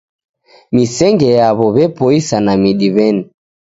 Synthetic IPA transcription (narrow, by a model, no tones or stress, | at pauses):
misɛŋɡɛjaβɔβɛpɔisanamiɗiβɛni